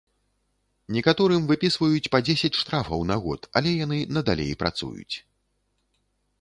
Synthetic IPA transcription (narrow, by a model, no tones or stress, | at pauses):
nʲɛkat̪ɔɾɨmvɨpʲisvɐjut͡sʲpɐd͡zʲesʲɐt͡sʲʂt̪ɾafɐwnaɣɔ̰t̪a̰lʲɛjanɨnɐd̪alʲḛjpɾa̰t̪sṵjṵt͡sʲ